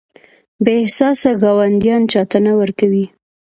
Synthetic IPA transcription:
beɪhsɑsaɡɑwand̪jɑnt͡ʃɑt̪ənawəɾkawi

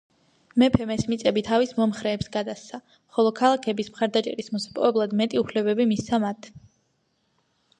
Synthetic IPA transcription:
mɛpʰɛmɛsmit̪sʼɛbit̪ʰavismɔmχɾɛːpsɡad̪ast̪sʰa | χɔlˠɔkʰalˠakʰɛbismχaɾd̪at͡ʃʼɛ̰ɾismɔsḁpʼɔ̰ɛblˠad̪mɛt̪ʼiupʰlɛbɛbimist̪ʰamat̪ʰ

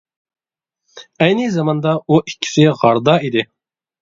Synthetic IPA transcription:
ɛjnɪzɑmɑnd̪ɑuʔi̥kʲʰːi̥sɪʁɑɾd̪ɑid̪ɪ

